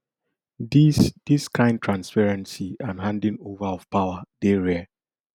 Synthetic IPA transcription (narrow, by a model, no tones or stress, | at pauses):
did̥iskʰãɪ̃nd̚tʰɹãnspɛɹɛ̃nsiãnɦãndĩnovaɔfpawadeɹɛ